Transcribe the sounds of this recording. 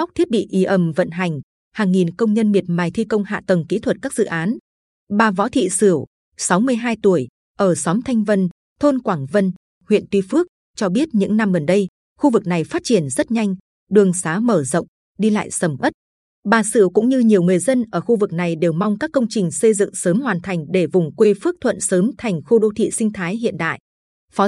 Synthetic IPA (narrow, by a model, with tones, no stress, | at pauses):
a˦˥k͡p̚t̪ʰi˦˥t̚ɓḭ˧˨ʔi˨˦ʔə˨˩mvə̰˧˨nɦa˨˩jŋ̟ | haː˨˩ŋːi˨˩nkə˧wŋ͡mɲə˧nmi˨˩ət̚maː˨˩jt̪ʰi˧kə˧wŋ͡mha̰ː˧˨t̪ə˨˩ŋkḭ˧˥t̪ʰwə˨˩t̚kaː˦˥k̚z̥ɨ̰˧˨ʔaː˨˦n | ɓaː˨˩vɔ̰˧˥t̪ʰḭ˧˨sɨ˧˩əw | sa˨˦wmɨ˧əjɦaː˧jt̪u˧˩əj | ʔəː˧˩sɔ˨˦mt̪ʰa˧jŋ̟və˧n | t̪ʰo˧nkwaː˧˩ŋvə˧n | hwḭ˧˨ənt̪wi˧fɨ˦˥ək̚ | t͡ɕɔ˧ɓi˦˥ət̚ɲɨ̰˧˥ŋna˧mɣə˨˩nɗə˧j | xu˧vɨ˨˩k̚na˨˩jfaː˦˥t̚t͡ɕi˧˩ənzə˦˥t̚ɲa˧jŋ̟ | ɗɨ˨˩əŋsaː˨˦məː˧˩zə̰˧˨wŋ͡m | ɗi˧la̰ː˧˨jsə˧˩mʔə˦˥t̚ | ɓaː˨˩sɨ˧˩əwkʊ̰˧˥ŋ͡mɲɨ˧ɲi˨˩əwŋɨ˨˩əjzə˧nʔəː˧˩xu˧vɨ˨˩k̚na˨˩jɗe˨˩wma˧wŋ͡mkaː˦˥kːə˧wŋ͡mt͡ɕï˨˩ŋ̟sə˧jzɨ̰˧˨ŋsəː˨˦mhwaː˨˩nt̪ʰa˨˩jŋ̟ɗe˧˩vʊ˨˩ŋ͡mkwe˧fɨ˦˥ək̚t̪ʰwə̰˧˨nsəː˨˦mt̪ʰa˨˩jŋ̟xu˧ɗo˧t̪ʰḭ˧˨sï˧ŋ̟t̪ʰaː˨˦jɦḭ˧˨ənɗa̰ː˧˨jʔ | fɔ˨˦